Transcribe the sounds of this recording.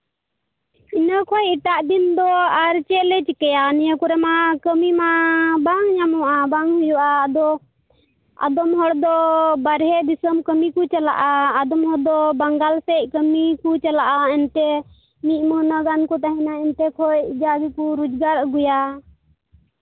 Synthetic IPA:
inakʰɔjit̪aʔd̪ind̪ɔaɾt͡ʃɛlɛt͡ʃikɛjanijakɔɾɛmakəmimabaŋɲamɔʔabaŋhujɔʔaːd̪ɔ | a̰d̪ɔmɦɔɽd̪ɔbaɾɦɛd̪isəmkəmikut͡ʃala̰ʔaːd̪ɔmɦɔɾd̪ɔbaŋɡalsɛc̚ˀkəmikut͡ʃalaʔaɛnt̪ɛ | miʔ̪̚ˀmənaɡankɔt̪aɦɛnaɛnt̪ɛkʰɔjd͡ʒaɡikuɾud͡ʒɡaɾəɡuja

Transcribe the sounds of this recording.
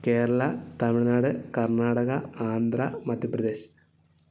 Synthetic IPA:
ke̞ːɾɐɭɐt̪ɐmiɭnaːɽɨkɐrɳaːɽɐɣɐaːnd̪rɐmɐd̪ʱjɐprɐd̪eːɕ

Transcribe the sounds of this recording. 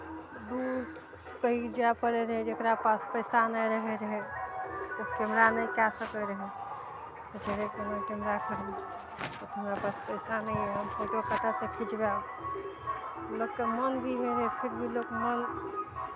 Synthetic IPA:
d̪uɾ | kəɦikd͡ʒapəɽeɾəɦed͡ʒekɾapaspəɪsanəjɾəɦeɾəɦe | t̪okemɾanəjkasəkəlɾəɦe | sed͡ʒeɾekemekɛmɾakəɾ | ɔt̪əmɾapaspəɪsanəɛɦəmkʰoʈekəʈasẽkʰid͡ʒba | lokkəmənbʱiɦeɾəɦepʰiɾbʱilokmən

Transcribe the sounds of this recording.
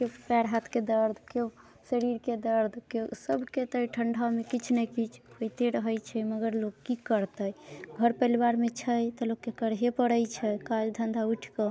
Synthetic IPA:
kepɛɾɦat̪ʰked̪əɾd̪ʱke | səɾiɾked̪əɾd̪ʱkesəbʱket̪əjʈʰəɳɖʱamekit͡ʃʰnəjkit͡ʃʰkojt̪eɾəɦəjt͡ʃʰɛməɡəɾlokːikəɾt̪əjɡʱəɾpəjlbaɾmet͡ʃʰəjt̪ɔlokːekəɾɦepəɽəjt͡ʃʰəkad͡ʒd̪ʱənd̪ʱauʈʰkə

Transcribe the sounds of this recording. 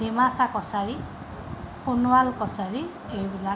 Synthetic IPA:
dimasakɔsaɹi | punwalkɔsaɹi | ejbila

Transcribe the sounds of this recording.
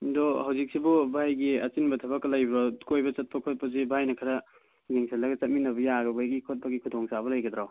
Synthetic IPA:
dɔhawzik̚sibubʱajɡiɐt͡ʃinbɐtʰɐβaklɐjbɐkojbɐt͡ʃɐt̚pɐkʰot̚pɐzibʱajnɐkʰɐɾɐ | ɡeŋsʰalɐɡɐt͡ʃɐt̚minɐbɐjaɡɐbʱajɡikʰot̚pɐɡikʰudɔŋsabɐlɐjɡɐd̪ɾaw

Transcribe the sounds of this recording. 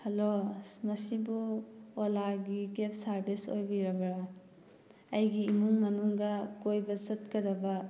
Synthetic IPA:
hɐlosmɐsibuolaɡiɡep̚ʰsɐɾbiso̰jbiɾɐbɐɾa | ɐjɡiːmuŋmɐnuŋɡɐkojbɐzɐtkɐdɐbɐ

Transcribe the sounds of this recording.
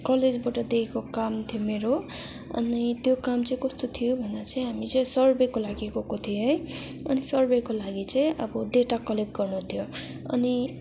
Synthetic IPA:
kʌled͡zbaʈʌd̪ekʰekokamt̪ʰijomeɾo | ʌ̰nit̪jokamt͡sʌĩkʌst̪ot̪ʰijobʱʌneat͡sʌ̃ĩɦamit͡sʌ̃ĩsʌrbekolaɡiekokot̪ʰioɦej | ʌnisʌrbekolaɡit͡sʌ̃ĩʔʌbʌd̪eʈakʌlep̚ɡʌrnut̪ʰijo | ʌ̰ni

